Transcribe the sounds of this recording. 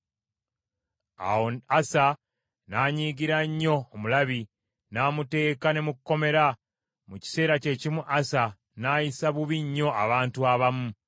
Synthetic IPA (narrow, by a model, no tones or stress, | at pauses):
a̰woasa | naːɲiːɡiɾaɲːo̞ːmulaβi | naːmute̞ːkane̞mukkːo̞me̞ɾa | muci̥se̞ːɾace̞cimuʔasa | naːjisaβuβiɲːo̞aβaːntuaβamu